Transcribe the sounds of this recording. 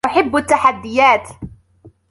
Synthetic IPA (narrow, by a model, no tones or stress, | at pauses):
aħɪbːat̪ːaħad̪ːɪjaːt̪